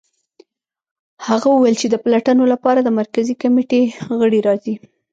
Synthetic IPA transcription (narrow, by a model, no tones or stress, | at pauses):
haɣawəwajlt͡ʃed̪əplaʈənolapɑɾad̪əmaɾkazikameʈeɣəɽiɾɑzi